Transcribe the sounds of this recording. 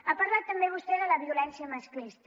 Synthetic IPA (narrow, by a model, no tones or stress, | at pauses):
apəɾlat̪ːəmbeβ̞ust̪ɛðələɐβiulɛnsjəmasklist̪